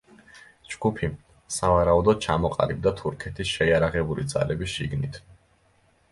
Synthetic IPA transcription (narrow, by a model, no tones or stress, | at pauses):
d͡ʒɡupʰi | savaɾaud̪ɔd̪̥̚t͡ʃʰamɔqʼa̰lib̚d̪at̪ʰuɾkʰɛt̪ʰisʃɛiaɾaʁɛbulḭd̪za̰lɛbisʃḭɡnit̪ʰ